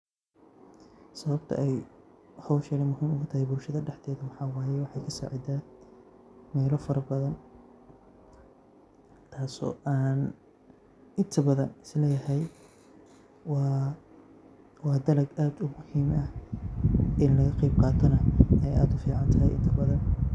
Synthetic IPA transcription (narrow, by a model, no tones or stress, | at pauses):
sɐβɐbt̪ʰɐ̰ʔɛjhɔwʃɛnɐmʊɦiːmʊɣʊt̪ʰɐhɛjbʊlʃɐðɐɖɛħd̪ɛːðɐmɑħɑːwɑːjɛwɑħɑjkʰɐsa̰ːʕɪd̪aː | mɛːlɔfɐɾɐbɐðɐn | t̪ʰaːsɔ̰ːʔaːn | ʔɪnt̪ʰɐbɐðɐnɪslɛːjɐɦɛj | wɑ | wɑːd̪ɐlɐɡaːd̪ʊmʊhiːmɐ | ʔɪnlɐɣɐqɑjb̚qɑːt̪ʰɔnɐɛjʔa̰ːd̪ʊfiːʕɑnt̪ʰɐɦɛ̰jʔɪ̰nt̪ʰɐbɐðɐn